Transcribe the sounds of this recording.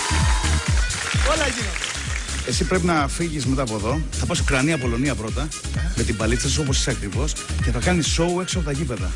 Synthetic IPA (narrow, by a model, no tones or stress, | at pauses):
olɐʝinot̪e | e̞sipɾe̞pinɐfiʝizme̞t̪ɐːpo̞ðo̞θɐpɐsokɾɐniɐpo̞lo̞niɐpɾo̞t̪ɐ | me̞t̪imbɐlit͡sɐsuo̞po̞si̥seɐkɾivo̞sce̞θɐkɐnisːo̞ueksoɐpot̪ɐʝipe̞ðɐ̰